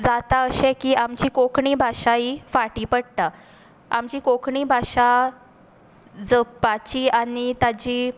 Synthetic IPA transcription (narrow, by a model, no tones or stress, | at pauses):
d͡zat̪aəɕẽkiːʔamt͡ɕiːkokɳiːbʱaʂaifaʈiːpəɽt̪a | a̰mt͡ɕiːkokɳiːbʱaʂa | d͡zəpːat͡ɕiːanit̪at͡ɕiː